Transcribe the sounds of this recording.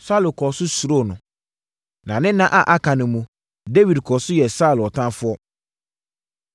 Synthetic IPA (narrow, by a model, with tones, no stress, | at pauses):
sa˦˨lʊ˨kʰɔ˨sʊ˦su˨ɾo˦˨nʊ̃˨ | nã˨nɪ̃˦nã˦ʔa˨ʔa˦kʰã˨nɪ̃˨mũ˨ | de˦wi˨dkʰɔ˨sʊ˦jɛ˨sa˦˨lɔ˨tʰã˦nfʊ˦ɔ˦